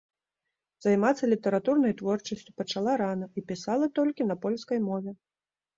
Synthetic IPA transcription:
zajmat̪sːɐlʲit̪ɐɾat̪urnɐjt̪vɔrt͡ʂɐsʲt͡sʲu̥pɐt͡ʂalˠaɾanɐipʲisalˠɐt̪ɔlʲkʲinɐpɔlʲskɐjmɔvʲɛ

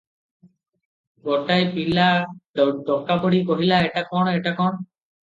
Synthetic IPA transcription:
ɡɔʈajpila | ɖɔkːapoɽikoɦilaeʈakɔɽ̃eʈakɔɽ̃

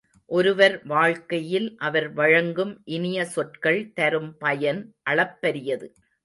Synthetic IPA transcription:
ʔɔɾɯʋɐɾʋaːɻkɐjɪlʔɐʋɐɾʋɐɻɐŋɡɯmʔɪnɪjɐsɔʈkɐɭt̪ɐɾɯmpɐjɐnʔɐɭɐpːɐɾɪjɐðɯ

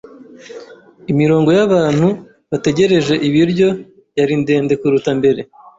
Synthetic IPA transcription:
imiɾo̞ːŋɡo̞jaβaːn̥hu | βate̞ɟe̞ɾe̞ʒe̞ʔiβiɾɟo̞ | jaɾinde̞ːnde̞kuɾutambe̞ɾe̞

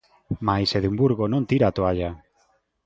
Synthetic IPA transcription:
majseðumbuɾɣonõnt̪iɾat̪oaʎa

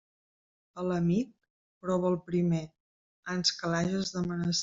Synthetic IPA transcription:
ələmik̚ | pɾɔβəlˠpɾime | ənskəlaʒəzðəmənəs

